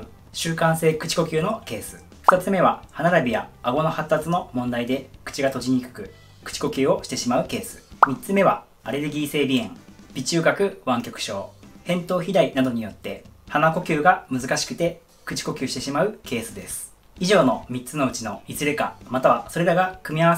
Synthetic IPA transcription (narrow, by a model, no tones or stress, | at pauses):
ɕɨːkãɰ̃se̞ːkɯ̟̥t͡ɕi̥ko̞kʲɨːno̞ke̞ːsɨ̥ | ɸɯ̟̥t̪at͡sɨme̞β̞ahanaɾabʲijaːɡo̞no̞hat̪ːat͡sɨno̞mõ̞nd̪aid̪e̞kɯ̟̥t͡ɕiɡat̪o̞ʑiɲ̟ikɯ̟̥kɯ̟ | kɯ̥t͡ɕi̥ko̞kʲɨːo̞ɕi̥t̪e̞ɕimaɯ̟ke̞ːsɨ̥mʲitt͡sɨme̞βa̰ | aɾe̞ɾɯ̟ɡʲiːse̞ːbʲiẽ̞ŋ | b̥ʲit͡ɕɨːɡakɯ̟βãŋkʲo̞kɯ̟̥ɕo̞̰ːhẽ̞nt̪o̞ːçid̪ainad̪o̞ɲ̟ijo̞t̪ːe̞hanako̞kʲɨːɡamɯ̟zɨkaɕi̥kɯ̟̥t̪e̞ | kɯ̟t͡ɕi̥ko̞kʲɨːɕi̥t̪e̞ɕimaɯ̟ke̞ːsɨd̪e̞sɨ̥ | iʑo̞ːno̞mʲitt͡sɨno̞ɯ̟t͡ɕino̞izɨɾe̞ka̰mat̪aβaso̞ɾe̞ɾaɡakɯ̟mʲijaβa